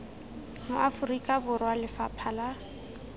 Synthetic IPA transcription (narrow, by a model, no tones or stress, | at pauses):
mʊʔafʊrikʼabʊrwalɪfapʰala